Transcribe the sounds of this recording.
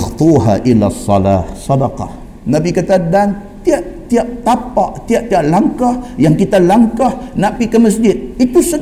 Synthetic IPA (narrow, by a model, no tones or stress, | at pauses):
xt̪ˤuɦa̰ʔilasˤːɑ̰la̰hsɑdɑqɑ̰h | nabikat̪adan | t̪iaʔt̪iaʔ̚t̪apaʔt̪iaʔ̚t̪iaʔlaŋkahjaŋkit̪alaŋkahnapikəməs̬d͡ʒɪt̪̚it̪usə